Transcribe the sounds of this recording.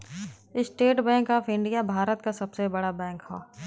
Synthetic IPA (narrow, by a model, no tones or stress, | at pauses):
ɪsʈeːʈbɛ̃ːkaːfɪ̃ɳɖijabʱaːɾət̪kasɐbsebɐɽabɛ̃ːŋkɦa̰ː